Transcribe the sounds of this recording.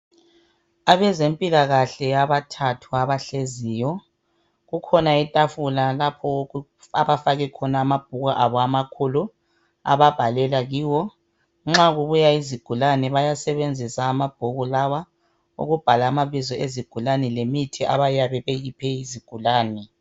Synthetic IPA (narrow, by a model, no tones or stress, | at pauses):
aβɛzempʼilaɣaɬɛjaβatʰatʰuaβaɬeziːjɔ | ɣukʰɔnaitʼafulalapʰɔ | aβafaɣɛkʰɔnaːmab̥̚ʱuɣaʔaβɔamakʰulu | a̰βab̥ʱalɛlaɣiːwɔ | ŋ͡ǁaɣuβujaiziɡ̥ʱulanɛβajasɛβend͡zʱisaːmab̥ʱuɣulawa | ṵɣub̥ʱalaːmaβizɔeziɡ̥ʱulanɛlemitʰiʔa̰βajaβɛβeɣipʰɛiziɡ̥ʱulaːnɛ